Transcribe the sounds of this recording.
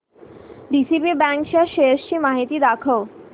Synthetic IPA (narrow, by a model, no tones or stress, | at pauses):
ɖisipibɛ̃ŋkɕaɕeəst͡ɕiːmaɦit̪iːd̪akʰəw